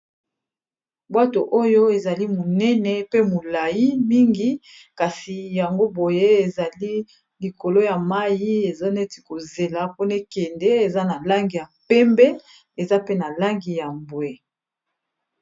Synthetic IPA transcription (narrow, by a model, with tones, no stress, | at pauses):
bwa˦to˨ʔo˦jo˦e˨za˨li˦mo˨nɛ˦nɛ˨pe˦mo˨la˨ji˦mi˦ŋɡi˦ | ka˨si˨ja˨ŋɡo˦bo˨je˦e˨za˨li˦ | li˨ko˨lo˦ja˨ma˦ji˦e˨zo˦ne˦ti̥˨ko˨ze˨la˨po˦ne˦kɛ˨ndɛ˦e˨za˦na˨la˦ŋɡi˨ja˨pɛ˦mbɛ˦ | e˨za˦pe˦na˨la˦ŋɡi˨ja˨mbwɛ˨